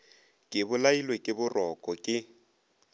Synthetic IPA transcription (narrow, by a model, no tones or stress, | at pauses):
kʼɪbʊlailwekʼɪbʊrɔkʼɔkʼɪ